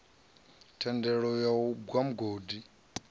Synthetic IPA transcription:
tʰɛndɛɺɔjaubwam̩ɡoːdi

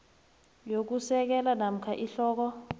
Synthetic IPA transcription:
jok̬usɛk̬ɛlanam̩kʰaʔiɬɔːk̬ɔ

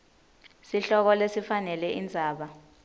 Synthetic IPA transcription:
siɬɔk̬ɔlesifanɛlɛʔind͡zʱaːɓa

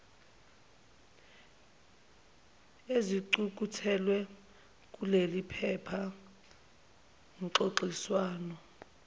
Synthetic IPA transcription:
eziǀuk̬ʼutʰɛlwɛ | k̬ʼulelipʰɛpʰa | ŋǃoǃiswaːnɔ

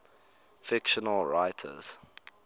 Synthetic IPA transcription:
fɪkʃənəlɹaɪtʰə̰z̥

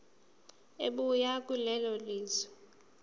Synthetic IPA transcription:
eɓujakʼulɛlɔliːzɛ̥

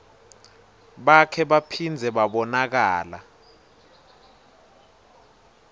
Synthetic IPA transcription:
ɓakʰɛɓapʰind͡zʱɛɓaɓɔnak̬aːla̰

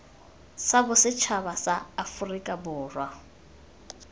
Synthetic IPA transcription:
sabʊsɪt͡ʃʰaβasaːfʊrikʼabʊːrwa

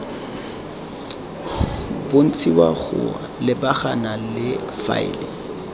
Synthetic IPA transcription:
bʊn̩t͡sʰiwaχʊ̰a̰lɪbaχanalɪfa̰ɪ̰lɪŋ

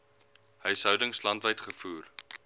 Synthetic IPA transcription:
həjsɦœwdəŋslɐntvəjtχəfuːr

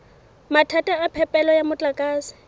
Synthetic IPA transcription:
matʰatʼaapʰɛpʼɛlɔjamʊt͡ɬʼakʼaːsɪ̥

